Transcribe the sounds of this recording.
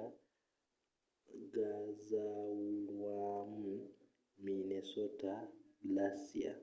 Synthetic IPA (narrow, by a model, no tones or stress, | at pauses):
a | ɡazauwamu | minɛsɔtalasia̰